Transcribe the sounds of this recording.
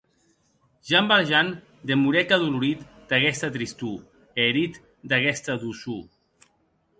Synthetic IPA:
ʒambalʒan | d̪emuɾɛkaðuluɾit̪ | d̪aɣɛst̪at̪ɾist̪u | eɾit̪ | d̪aɣɛst̪aðusu

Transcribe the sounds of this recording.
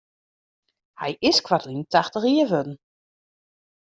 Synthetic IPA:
hɛ̰jʔɪskwatlintaxtəriəʋødn̩

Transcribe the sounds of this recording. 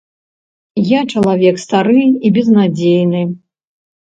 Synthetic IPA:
jat͡ʂɐlˠavʲɛkst̪aɾɨibʲɛznad͡zʲejnɨ

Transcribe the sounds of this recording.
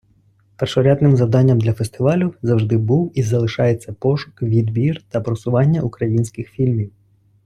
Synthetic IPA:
pɛrʃɔɾʲad̪nɪmzɐwd̪ɑnʲːɐmd̪lʲɐfest̪ɪʋɑlʲʊzɐwʒd̪ɪbuwizɐlˠɪʃɑjet͡sʲːɐpɔʃʊ̥kʋʲid̪bʲirt̪ɐpɾɔsʊʋɑnʲːɐʔukɾɐjinʲsʲkɪxfʲilʲmʲiw

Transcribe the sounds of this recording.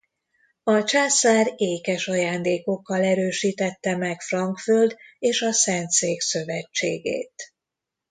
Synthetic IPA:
ɒt͡ʃaːsaːɾeːkɛʃɒjaːnd̪eːko̞kːɒlɛɾøːʃiːt̪ɛt̪ːɛmɛkfrɒŋkfø̞ld̪eːʃɒsɛnt̪seːksø̞vɛt͡ʃːḛːɡḛːt̪

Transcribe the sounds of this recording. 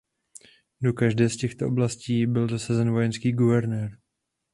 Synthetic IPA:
do̞kaʒdɛːscɛxt̪oʔoblasciːbɪlzasazɛnvo̞jɛnskiːɡuvɛɾnɛːɾ

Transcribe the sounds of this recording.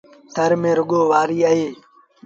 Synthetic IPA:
t̪ʰəɾmẽːɾʊɠoːʋaːɾiːaːɦeː

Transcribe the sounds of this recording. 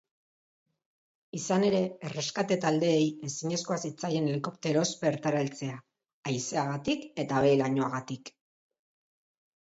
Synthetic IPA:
isane̞ɾe̞ːre̞skat̪e̞t̪ald̪e̞ːje̞siɲe̞sko̞asit͡saje̞neliko̞pt̪eɾo̞zbe̞ɾt̪aɾalt͡se̞aː | jse̞aɣat̪ike̞t̪aβe̞jlaɲo̞aɣat̪ik

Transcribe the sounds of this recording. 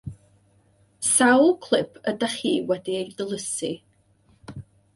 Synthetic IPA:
sawlˠkʰl̥ˠɪpʰədaχiːwɛdiejdəlˠəsi

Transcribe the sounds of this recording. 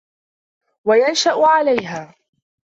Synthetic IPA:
wajanʃaʔʊʕalajɦaː

